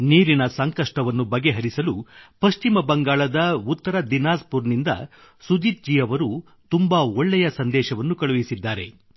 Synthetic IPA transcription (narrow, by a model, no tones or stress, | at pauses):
niːɾinɐsɐŋkɐʂʈɐʋɐnːubɐɡe̞ɦɐɾisɐlupɐʃt͡ʃimɐbɐŋɡaːɭɐd̪ɐut̪ːɐɾɐd̪inaːspuɾnind̪ɐ̰ | sud̪iːt̪̚d͡ʒiːjɐʋɐɾu | t̪umbɐɔɭːɛjɐsɐnd̪ɛːʃɐʋɐnːukɐɭuʋisid̪ːaːɾe̞̰